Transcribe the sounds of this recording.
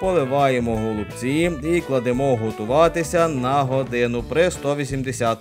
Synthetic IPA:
pɔlˠɪʋɑjemɔɦɔlˠʊbt͡sʲiiklˠɐd̪emɔɦɔt̪ʊʋɑt̪ɪsʲɐnɐɦɔd̪ɪnʊpɾɪst̪ɔʋʲisʲimd̪esʲat̪

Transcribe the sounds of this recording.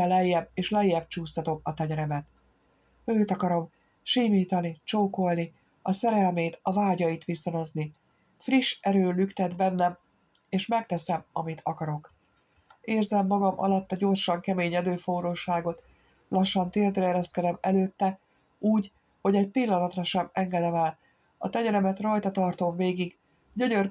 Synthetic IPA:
ɛlɛjːɛbeːʃlɛjːɛb̚t͡ʃuːst̪ɒt̪o̞mɒt̪ɛɲɛɾɛmɛt̪ | øːt̪ɒkɒɾo̞m | ʃiːmiːt̪ɒnit͡ʃoːko̞lni | ɒsɛɾɛlmeːt̪ɒvaːɟɒjit̪ʋisono̞zni | friʃɛɾøːlykt̪ɛd̪bɛnːɛm | eːʃmɛkt̪ɛsɛmɒmit̪ʰɒkɒɾo̞k | eːrzɛmːɒɡɒmʔɒ̰lɒt̪ːɒɟo̞rʃɒŋkɛmeːɲɛd̪øːfoɾoːʃaːɡo̞t̪ | lɒʃːɒnt̪eːrd̪rɛɛɾɛskɛd̪ɛmɛløːt̪ːɛ | uːɟ | ho̞ɟɛcpilːɒnɒt̪rɒʃɛmɛŋɡɛd̪ɛmɛːl | ɒt̪ɛɲɛɾɛmɛt̪rɒjt̪ɒt̪ɒrt̪o̞mveːɡiɡ | ɟo̞ɲør

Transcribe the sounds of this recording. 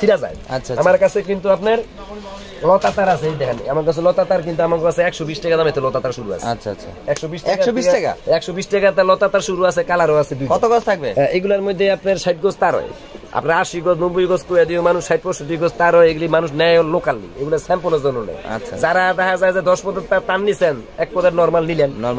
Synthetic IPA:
iɾad͡za̰jaamaɾkat͡sʰekint̪uapneɾ | lɔt̪at̪aɾasʰeejd̪ɛkʰanːḭamaɾkat͡sʰelɔt̪at̪aɾk̬int̪uamakkasʰeɛkʃɔbisʈɛkad̪amet̪elɔt̪at̪aɾʃuɾua̰sʰea̰ʃʰa̰ɛkʃɔbisʃɛkaɔbisʈɛka̰ɛkʃɔbisʈɛkat̪alɔt̪at̪aɾʃuɾuasʰekalaɾoasʰed̪ukɔt̪okɔt̪ʰak̚beɛʔeɡulaɾmojd̪ʱːeapneɾʃajʈ̚ɡɔst̪aɾɔ̰e | a̰pnaɾaɾʃiɡɔsnobojɡɔskojad̪iomanuʃːajʈ̚pɔʃoʈ̬iɡɔst̪aɾɔjeɡulimanuʃnɛɔlokalnḭeɡulasɛmponaɾzonːonɛ̰a̰tːʃʰad͡zaɾad̪aɦazajzed̪ɔʃpɔd̪eɾt̪aɾt̪anːisɛnɛk̚pɔd̪eɾnɔɾmalnilannɔ

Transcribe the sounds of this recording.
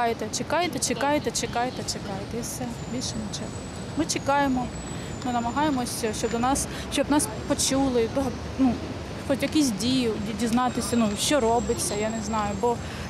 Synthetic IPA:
ɑjet̪ɛt͡ʃekɑjet̪ɛt͡ʃekɑjet̪ɛt͡ʃekɑjet̪ɛt͡ʃekɑjet̪ɛisɛ | bʲilʲʃɛnet͡ʃɛɦɔ | mɪt͡ʃekɑjemɔ | mʊnɐmɐɦɑjemɔsʲɐʃt͡ʃɔbd̪ɔnɑs | ʃt͡ʃɔbnɑs | pɔt͡ʃulˠɪt̪ɔɦɔ | nu | xɔtʲjɐkʲis̬ʲdʲijʊdʲiznɑt̪ɪsʲɐnuʃt͡ʃɔɾɔbɪt͡sʲːɐjaneznɑjʊbɔ

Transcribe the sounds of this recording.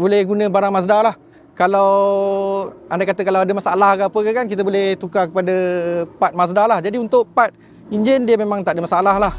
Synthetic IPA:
bolɛhɡunə̃baɾaŋmas̬dalah | kalaw | andakat̪əkalawadəmasalahɡapəkakankit̪̬əbolɛht̪ukakəpadəpat̪̚mas̬dalahd͡ʒadiunt̪ʊʔpat̪̚ | iɲd͡ʒɪndiəmemãŋt̪aʔdəmasaalaɦlah

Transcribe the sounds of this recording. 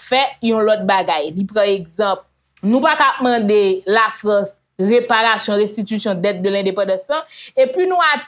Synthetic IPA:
fɛjɔ̃lɔt̪̚baɡajlipʁãeɡzɐ̃p̚ | nũpakamɐ̃d̪elafɣɐ̃s | ʁepaɣasjɔ̃ʁɛ̃st̪it̪ysjɔ̃d̪ɛt̪̚d̪ølɛ̃d̪epɑ̃d̪ɑ̃slãepɥinũa

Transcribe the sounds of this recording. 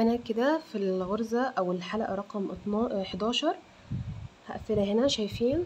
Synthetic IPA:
næːkːed̪æfilɣoɾˤzæʔæwelħalæʔæ̰ɾˤɑqɑmʔt̪ˤɑħd̪ɑːʃɑɾˤ | hæʔæθːelæɦenæʃæjfiːn

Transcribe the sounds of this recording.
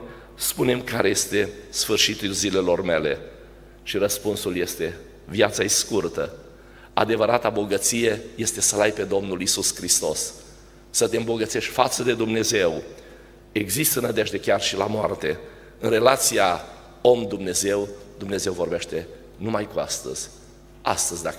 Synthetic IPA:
spune̞mkaɾeje̞st̪e̞sfɨrʃit̪ulzile̞lo̞rme̞le̞ | ʃiɾəspunsulje̞st̪e̞ | vjat̪saeskurt̪ə | a̰d̪e̞vəɾat̪abo̞ɡət̪sije̞je̞st̪e̞səlajpe̞d̪o̞mnulisuskɾist̪o̞sː | ət̪e̞ɨmbo̞ɡət̪se̞ʃtʲfat̪səd̪e̞d̪umne̞ze̞w | e̞ɡzist̪ənəd̪e̞ʒd̪e̞kʲarʃilamoart̪e̞ | ɨnre̞lat̪sija | o̞md̪umne̞ze̞wd̪umneze̞wvo̞rbe̞ʃt̪e̞ | numajkuast̪ə̰z̥ʲ | a̰st̪əzʲd̪a

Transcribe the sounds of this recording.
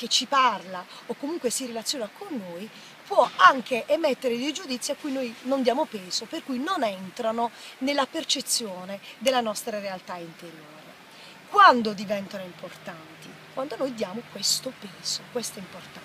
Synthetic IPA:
k̟et͡ʃːiparlaokːomuŋkwesirelat̪sːjoːnakonːoj | pwɔaŋk̟eʔɛmɛt̪ːeɾed̪ejd͡ʒud̪it̪sːiakːujnojnond̪jaːmopɛːzoperkujnonɛnt̪ɾanonelːapert͡ʃet̪sːjoːned̪elːanɔst̪ɾaɾealt̪aint̪eɾjooːɾe | kwand̪od̪ivɛnt̪anoimport̪ant̪i | kwʔand̪onojd̪jaːmokwest̪opɛːzokwest̪ɛimport̪a

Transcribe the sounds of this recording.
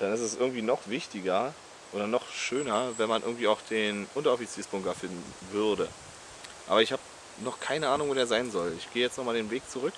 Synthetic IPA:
d̥anɪstɛsʔɪɐɡŋ̩tv̥iːnɔχv̥ɪçtɪɡɐ | ʔoːɾɐnɔχʃøːnɐvɛnmanʔɪɐɡŋ̩tv̥iːaʊxd̥eːnʔʊntɐɔfit͡siːsb̥ʊŋkɐfɪndn̩ | vʏʁdə | ʔa̰ːbɐɪçhaːbə | nɔχkʰaɪnəʔaːnʊŋvoːdeːɐzaɪnzɔlɪçɡ̥eːəjɛt͡stnɔχmaːldeːnveːk̚t͡suʁʏk

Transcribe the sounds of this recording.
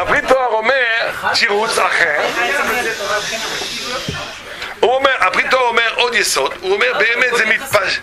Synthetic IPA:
apʁit̪ɔaʁɔmɛʁtiʁut͡saχɛʁ | ũɔmɛʁabʁit̪ɔaɔmɛʁɔd̪jesɔd̪ũɔmɛʁbeɛmɛt̪zɛmit̪paʃ

